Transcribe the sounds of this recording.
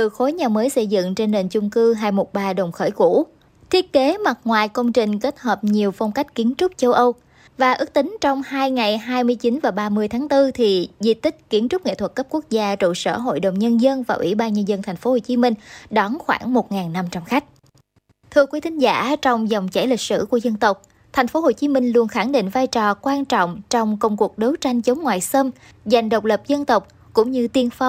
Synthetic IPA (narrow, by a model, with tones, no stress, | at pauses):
t̪ɨ˨˩xo˨˦jɲaː˨˩məː˨˦jsə˧jzɨ̰˧˨ŋt͡ɕe˧nːe˨˩nt͡ɕʊ˧ŋ͡mkɨ˧ɦaː˧jmo˨˩t̚ɓaː˨˩ɗə˨˩wŋ͡mxəː˧˩jku˧˩˥ | t̪ʰi˦˥ət̚ke˨˦ma˨˩t̚ŋwaː˨˩jkə˧wŋ͡mt͡ɕï˨˩ŋ̟ke˦˥t̚həː˨˩p̚ɲi˨˩əwfɔ˧wŋ͡mka˦˥jk̟̚ki˨˦ənt͡ɕʊ˦˥k͡p̚t͡ɕə˧wʔə˧w | vaː˨˩ʔɨ˦˥k̚t̪ï˨˦ŋ̟t͡ɕɔ˧wŋ͡mhaː˧jŋa˨˩jɦaː˧jmɨ˧əjt͡ɕi˨˦nvaː˨˩ɓaː˧mɨ˧əjt̪ʰaː˨˦ŋt̪ɨ˧t̪ʰi˨˩zi˨˧˩t̪ï˦˥k̟̚ki˨˦ənmt͡ɕʊ˦˥k͡p̚ŋḛ˧˨t̪ʰwə˩t̚kə˦˥p̚ku˦˥ək̚zaː˧t͡ɕṵ˧˨sə̰ː˧˩ɦo̰˧˨jɗə˨˩wŋ͡mɲə˧nzə˧nvaː˨˩ʔwḭ˧˩ɓaː˧nɲə˧nzə˧nt̪ʰɛ˨˩jŋ̟fo˨˦ho˨˩t͡ɕi˨˦mï˧ŋ̟ɗɔ˨˦nxwa̰ː˧˩ŋmo˨˩t̚ŋaː˨˩nːa˧mt͡ɕa˧mxa˦˥jk̟̚ | t̪ʰɨ˧əkwi˨˦t̪ʰï˨˦ŋ̟zaː˧˩˨t͡ɕɔ˧wŋ͡mzɔ˨˩wŋ͡mt͡ɕɛ̰˧˥˩jlï˨˩k̟̚sɨ̰˧˩ku˧˩əzə˧nt̪ə˨˩wk͡p̚ | t̪ʰa˨˩jŋ̟fo˨˦ho˨˩t͡ɕi˨˦mï˧ŋ̟lu˧˩ənxa˧˩ŋɗḭ̈˧˨ŋ̟vaː˧jt͡ɕɔ˨˩kwaː˧nt͡ɕɔ̰˧˨wŋ͡mt͡ɕɔ˧wŋ͡mkə˧wŋ͡mku˨˩ək̚ɗo˨˦wt͡ɕa˧jŋ̟t͡ɕə˨˦ŋ͡mŋwaː˨˩jsə˧m | za˨˩jŋ̟ɗə˨˩wk͡p̚lə˨˩p̚zə˧nt̪ə˨˩wk͡p̚ | kʊ̰˧˥ŋ͡mɲɨ˧t̪i˧ənfa˧w